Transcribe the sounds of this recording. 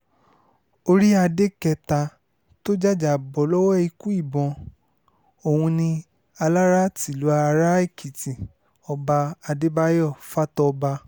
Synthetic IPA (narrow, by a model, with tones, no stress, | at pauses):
o˧ɾi˦a˧de˦kɛ˧ta˧ | to˦d͡ʒa˦˨d͡ʒa˨bɔ˨lɔ˦wɔ˦i˧ku˦i˦˨bɔ̃˧ | o˨hũ˧nĩ˧ | a˧la˦ɾa˦ti˨lu˨˦a˧ɾa˦i˦˨kʰi˨ti˨ | ɔ˧ba˧a˧de˦ba˦jɔ˦˨fa˦tɔ˧ba˧